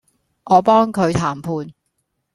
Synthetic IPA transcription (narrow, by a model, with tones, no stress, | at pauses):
ʔɔː˨˧pɔː˥ŋkʰɵ˨˧ɥt̪ʰaː˨˩mpʰuː˨˧n